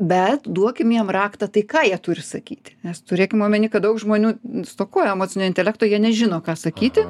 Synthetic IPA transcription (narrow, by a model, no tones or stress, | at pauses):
bʲɛt̪d̪uɔkʲɪmjiɛmrɑːkt̪ɑt̪ɐɪkɑːjiɛt̪ʊɾʲɪsɐkʲiːt̪ʲɪ̥nʲɛst̪ʊɾʲeːkʲɪmoːmʲɛnʲɪːkɐt̚d̪ɐʊkʒmoːnʲuːst̪oːkoːɔjɛɛmoːt͡sʲɪnʲoːɪnʲt̪ʲɛlʲækt̪oːjiɛnʲɛʒʲɪnoːkɑːsɐkʲiːt̪ʲɪ